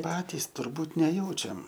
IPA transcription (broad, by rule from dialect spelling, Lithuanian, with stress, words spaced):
ˈpɑːtʲiːs tʊrˈbuːt nʲɛˈjɛʊt͡ʃʲɛm